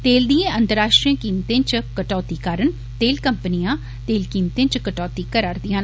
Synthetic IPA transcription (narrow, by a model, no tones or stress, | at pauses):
t̪eːld̪iẽʔə̃nt̪əɾaːʃʈɾijə̃kiːmt̪ẽːt͡ʃkəʈɔːt̪iːkaːɾəɳ | t̪eːlkəmpənijãː | t̪eːlkiːmt̪ẽːt͡ʃkəʈɔːt̪iːkəɾaːɾd̪ijãːn